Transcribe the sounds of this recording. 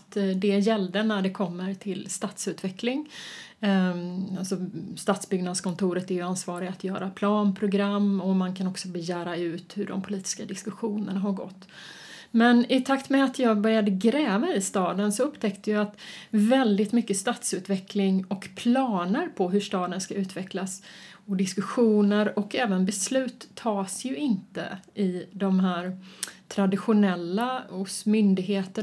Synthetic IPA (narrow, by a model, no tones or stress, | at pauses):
t̪d̪ɛjɛld̪ənæɖɛkʰɔmːəɾt̪ʰɪlst̪ɑːt̪sʉ̟ːt̪vɛklɪŋ | alsɔst̪ɑːt̪sbʏɡnad̪skʰɔnt̪ʰuːɾət̪æɾjɵansvɑːɾɪɡat̪jœːɾapʰlɑːnpʰɾʊɡɾamːɔmankʰanɔksɔbɛjæːɾaʉ̟ːt̪hɵɖɔ̰mpʰʊliːt̪ɪ̥skad̪ɪskɵɧuːnənaɦaɾɡɔ̰t̪ː | mɛnɪt̪ʰakt̪mɛat̪ʰjɑːɡbœɾjad̪əɡɾɛːvaɪst̪ɑːd̪ənsɔɵpːt̪ʰɛkt̪əjɑat̪vɛld̪ɪt̪mʏkːəst̪ɑːt̪sʉ̟ːt̪vɛklɪŋɔkpʰlɑːnəɾpʰɔɦɵʂt̪ɑːd̪ənskaʉ̟ːt̪vɛklas | ɔd̪ɪskɵɧuːnəɾɔkɛːvənbɛslʉ̟ːt̪ʰːɑːsjɵɪnt̪ə̰ɪd̪ɔmɦæːɾt̪ʰɾad̪ɪɧʊnɛlːaʊsmʏnd̪ɪɡɦeːt̪ə